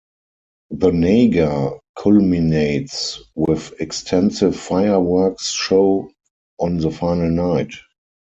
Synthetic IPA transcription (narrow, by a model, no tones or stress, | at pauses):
ðəneɪɡakʰɔlmineɪtswɪðɛkstʰɛ̃nsɪfːaɪə˞wɜ˞ksʃoʊ | ʔɔ̃nðəfaɪnəlnaɪt